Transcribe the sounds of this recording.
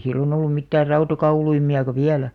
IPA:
silːon olːum mitːæːr rɑutɑkɑuluimiɑkɑ ʋiælæ

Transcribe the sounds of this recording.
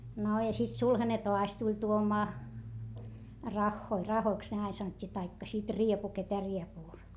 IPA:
no jɑ sit sulhɑne toɑs tulʲ tuomɑː rɑxːoi rɑhoiks ne ɑin sɑnotʲːiː tɑikːɑ sit riepu ketæ riepuː

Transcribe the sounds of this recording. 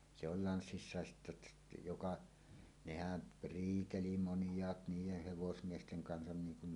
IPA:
se ol lɑnsːisːɑˑes sitːæ ə̆tːæ jokɑ nehæn riːteli monjˑɑːt niːjeh heʋosmiesteŋ kɑnsɑn niːŋ kun

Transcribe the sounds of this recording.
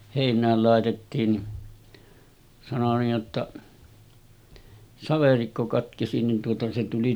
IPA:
heˑinˑæːl lɑˑetetːiːn ni sɑno niːj jotːɑ sɑʋerikːo kɑtkesi nin tuotɑ se tuli

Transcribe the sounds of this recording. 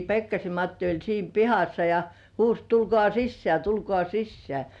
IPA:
pekːɑsem mɑtːi olʲ siːm pihɑsːɑ jɑ huːs tulkŏɑˑ sisːĕæˑ tulkŏɑˑ sisːĕæˑ

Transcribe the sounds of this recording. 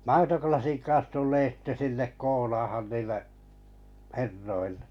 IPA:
mɑitoklɑsiŋ kɑ̃ːs tulːeː sitːe sinːek koːlɑːhɑn niːlːeʔ herːoil̥ːe̥

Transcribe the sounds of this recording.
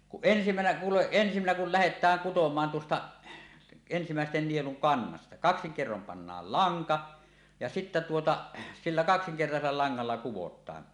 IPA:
kuʔ ʔensimænæ kuːleʔ ʔensimænæ kul læhetˑæːŋ kutomˑɑːn tuostɑ ensimæˑesten nieluŋ kɑnːɑstɑ kɑksiŋ kerːom pɑnːɑːl lɑŋkɑ jɑ sitːæ tuotɑ silːæ kɑksiŋkertɑselːɑ lɑŋːɑlːɑ kuwotˑɑːn

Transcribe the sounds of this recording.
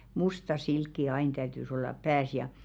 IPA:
mustɑ silkːi ɑin tæytys olːɑp pæːs jɑ

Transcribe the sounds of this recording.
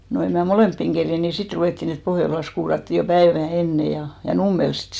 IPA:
no em mæ moleˑmpːiŋ kerjen ni sit ruʋeˑtːiˑn et pohjolɑs kuːrɑtːi jo pæeʋæˑ enːe jɑ jɑ numːels sit

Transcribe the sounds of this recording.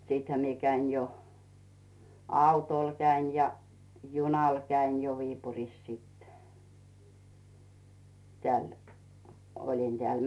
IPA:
siːthæ mie kæin jo ɑˑutoˑl kæin jɑ junɑˑl kæin jo ʋiːpuriˑs sit tĕæˑl olʲin d̥ĕæˑl

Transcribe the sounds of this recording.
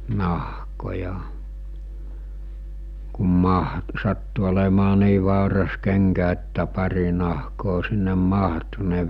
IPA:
nɑhkojɑ kum mɑh sɑtːu olemɑː niː ʋɑˑurɑs keŋkæ etːæ pɑri nɑhkoː sinːem mɑhtu ne

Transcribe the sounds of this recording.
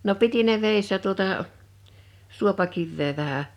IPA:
no piti ne ʋeˑisːæ tuotɑˑʔ suopɑkiʋːeː ʋæhæ

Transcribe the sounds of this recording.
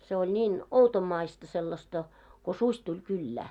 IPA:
se olʲ nʲiːn outomːɑistɑ selːɑstɑ ko susʲ tulʲ kylːæː

